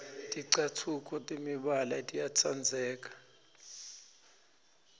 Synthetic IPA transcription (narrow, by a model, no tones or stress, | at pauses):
tʼiǀatʰukʰɔtʼimiɓalatʼijat͡sʰand͡zʱɛːk̬ʼḁ